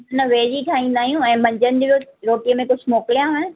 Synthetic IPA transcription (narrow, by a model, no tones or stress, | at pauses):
nəʋeːɾikʰãĩːn̆d̪aːɦijũɛ̃ːmɐ̃ɲd͡ʑənɪd̪iʋjoɾoːʈijəmẽkʊd͡ʑʱmoːkɪlijãɦən